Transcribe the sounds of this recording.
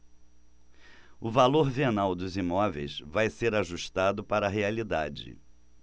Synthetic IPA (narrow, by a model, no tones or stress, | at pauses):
ʊvaloɾvenawd̪ʊzimɔvḛjsvajseɾaʒuʃt̪ad̪ʊpaɾɐɦealid̪ad͡ʒɪ̰